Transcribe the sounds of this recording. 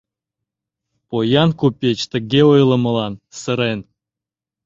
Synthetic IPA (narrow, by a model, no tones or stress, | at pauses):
pojɑnkupʲet͡ɕt̪ə̆ɡʲeojlˠə̆mə̆lˠɑnsəɾen